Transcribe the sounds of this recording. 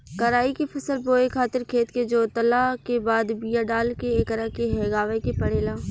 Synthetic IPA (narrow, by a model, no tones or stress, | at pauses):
kɐɾaːikepʰɐsəlboːekʰaːt̪ɪɾkʰeːt̪ked͡ʒoːt̪ɐlakebaːd̪bijaɖaːlkeeːkəɾakeɦɛːɡaːʋekepɐɽeːlaː